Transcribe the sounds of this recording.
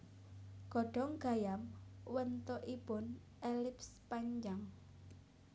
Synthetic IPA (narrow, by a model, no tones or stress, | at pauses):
ɡ̥ɔ̤ɖ̥ɔ̤ŋɡ̥a̤jamwənt̪oʔipʊn | ʔelɪpspaɲd͡ʒaŋ